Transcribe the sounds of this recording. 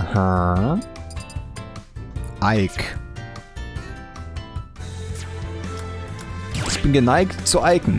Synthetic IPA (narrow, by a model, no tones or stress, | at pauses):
ha | ʔaɪk | ɪçb̥ɪnɡənaɪktt͡suʔaɪkŋ̩